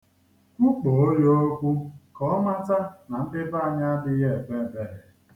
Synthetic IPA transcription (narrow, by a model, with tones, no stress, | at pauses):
u˦k͡po˨o˦jo˦o˦kʷu˦kɔ˨˦ma˦ta˦na˨n̩˦dɪ˦ba˦a˨ɲa˦a˦dɪ˦je˦˨be˦˨be˨ɾe˨